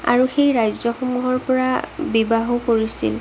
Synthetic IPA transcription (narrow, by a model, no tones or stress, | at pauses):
a̰ɹuxejɹajzɔxomuɦɔɹpɔɹabibaɦokoɹisḭl